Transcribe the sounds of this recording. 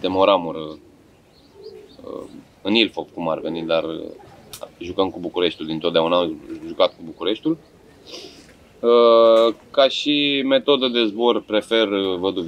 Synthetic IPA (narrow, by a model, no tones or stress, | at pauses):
t̪emoɾamuɾ | ə̰ | ɨnilfopkuma̰rve̞nit̪̚d̪arə̰ | ʒukəmkubukuɾe̞ʃt̪uld̪int̪ot̪d̪eaunaʒukat̪̚kubukuɾe̞ʃt̪ul | ə | kaʃime̞t̪o̞d̪əd̪e̞zbo̞rpɾe̞fe̞rəvəd̪uv